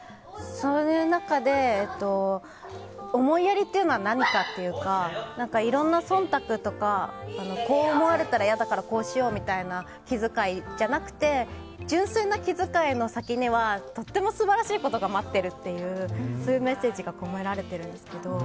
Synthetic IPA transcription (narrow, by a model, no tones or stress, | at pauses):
sojɯ̟ːnakad̪e̞ːt̪ːo̞ | mo̞iaɾʲit̪ːeiɯ̟no̞βanaɲ̟ikat̪ːe̞jɯ̟kanãŋkaiɾõ̞nːasõ̞nt̪akɯ̟t̪o̞kaːno̞ko̞ːmo̞βaɾe̞t̪aɾajad̪akaɾako̞ːɕijo̞ːmʲit̪aina | kʲizɨkaid͡ʑanakɯ̟̥t̪e̞ | d͡ʑɨ̃ɰ̃senːakʲizɨkaino̞sakʲiɲ̟iβat̪o̞t̪ːe̞mo̞sɨbaɾaɕiːko̞t̪o̞ɡamat̪ːe̞ɾɯ̟t̪ːe̞jɯ̟ːsoːjɯ̟me̞se̞ːʑiɡakomoeɾaɾe̞t̪e̞ɾɯ̟̃nd̪e̞sɨ̥ke̞d̪o̞